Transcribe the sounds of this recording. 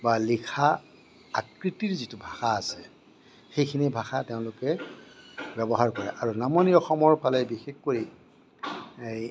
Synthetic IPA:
balikʰaː | t̚kɹitiɹzitubʱaxaːsɛ | xejkʰinibʱaxateʊ̃lʊkɛ | bɛbɔɦaɹkɔɹɛʔaɹunamoniɔxɔmɔɹpʰalɛbixexkoɹi | ej

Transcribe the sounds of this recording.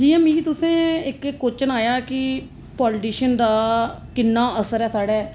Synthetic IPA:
d͡ʒiːãːmĩːt̪ʊsẽːɪkkːoːt͡ʃənaːjaːkɪ | pɔːlʈiːʃənd̪aː | kɪnːaːəsəɾɛːsaːɽɛː

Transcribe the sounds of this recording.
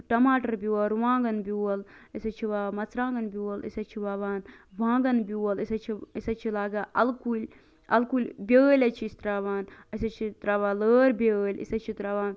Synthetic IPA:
ʈɐmaːʈɐɾbʲuwɐɾʋãːɡɐnbʲuːɐlisɐt͡ʃʰiʋaːmɐt͡sɾãːŋɡɐnbʲuːɐlḭsɐt͡ʃʰiʋaːʋaːnʋãːŋɡɐnbʲuwɐlisɐt͡ʃʰiisɐt͡ʃʰilaːɡaːʔɐlkulʲ | ɐlkulʲbʲəːlʲɐt͡ʃʰiist̪ɾaːʋaːnɐsɐt͡ʃʰit̪ɾaːʋaːləːɾbʲəːlʲḭsɐt͡ʃʰit̪ɾaːʋaːn

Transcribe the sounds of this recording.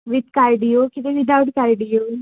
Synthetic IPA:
ʋɪt̪kaɾɖijoːkɪt̪eʋɪd̪aʊʈkaɾɖijoː

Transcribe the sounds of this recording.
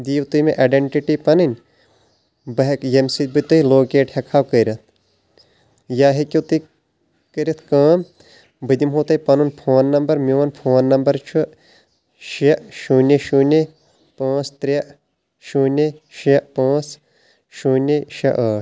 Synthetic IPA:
d̪iːwt̪umeʔaːɖeɳʈiʈipɐnɨnʲ | bɐɦɐkjemsit̪bɨt̪ɨiloːkeːʈhɐkʰaːwkəɾʲɐt̪̚ʰ | jaːɦikʲiwt̪ɨ | kəɾʲɐt̪ʰkãːm | bɨd̪imɦoːt̪ɐipɐnunpʰoːnːɐmbɐɾmiʋɐnpʰoːnːɐmbɐɾt͡ʃʰu | ʃɐʔʃuːnʲeʃune | pãːt͡st̪ɾʲɐʔ | ʃuːnʲeʃɐʔpãːt͡s | ʃuːnʲeʃɐ̰ʔaːʈ

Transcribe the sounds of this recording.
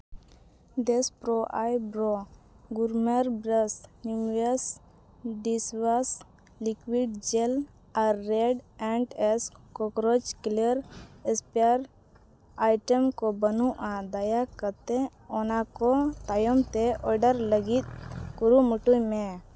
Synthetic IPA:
d̪espɾɔʔajbɾɔ | ɡuɾməɾbɾəsniməs | ɖiswas | likwiɖ̚d͡ʒel | aɾːeɖɛ̃ɳɖɛskɔkɾɔd͡ʒkiləɾɛspiaɾ | ajʈəmkɔbənuʔad̪ajakət̪ɛ̃ɔnakɔt̪ajɔmt̪ɛɔɾɖəɾləɡit̪̚kuɾumuʈujmẽ

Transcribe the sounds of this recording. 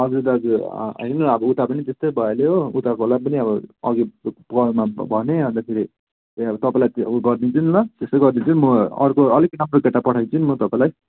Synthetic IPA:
ʌd͡zud̪ʌd͡zuʌjnʌʌbʌut̪apʌnit̪est̪ojbʱʌeleɦout̪akolapʌniʌbʌʌɡipkʌlmabʱʌneʌ̃nt̪apʰeɾe | ʌbʌt̪ʌpaĩlajt̪ɡʌrd̪it͡sʰunnʌt̪est̪ojɡʌrd̪it͡sʰunimʌʌ̰rkoʌliknʌmrokeʈːapʌʈʰajt͡sʰunimʌt̪ʌpãĩlaj

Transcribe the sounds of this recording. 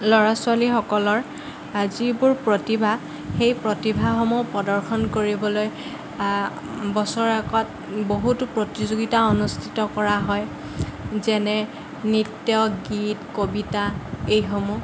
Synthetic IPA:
lɔɹaswalixɔkɔlɔɹ | azibʊɹpɹotibʱa | xejpɹotibʱaxɔmupɔdɔɹxʰɔnkoɹibɔloj | bɔsɔɹɛkɔt̚ | boɦutʊpɹotizoɡitaonustʰi̥tɔkɔɹaɦɔj | zɛnɛ | nitjɔɡitkobitaejxomu

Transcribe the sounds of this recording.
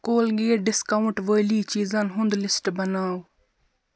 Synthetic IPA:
koːlɡeːɖɪskaːʊɳʈʋoːjliːt͡ʃiːzanɦʊ̃nd̪lɪsʈbɐnaːw

